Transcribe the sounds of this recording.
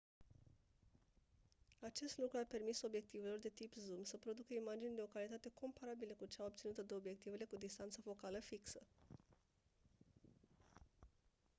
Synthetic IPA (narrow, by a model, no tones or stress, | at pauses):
at͡ʃe̞st̪lukɾuape̞rmiso̞bje̞k̚t̪ive̞lo̞rd̪e̞t̪ipzumsəpɾo̞d̪ukəimad͡ʒind̪e̞o̞kalit̪at̪e̞kʰo̞mpaɾabiləkut͡ʃeaob̚t̪sinut̪əd̪e̞o̞bje̞k̚t̪ive̞le̞kud̪ist̪ant̪səfo̞kaləfiksə